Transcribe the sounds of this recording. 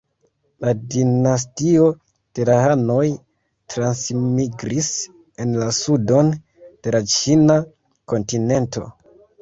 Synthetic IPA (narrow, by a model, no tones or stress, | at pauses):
ladinas̬tio̞ | d̥e̞lahano̞j | tɾansmiɡɾis | e̞nlasudo̞n | d̥e̞lat͡ʃina | ko̞ntine̞nto̞̰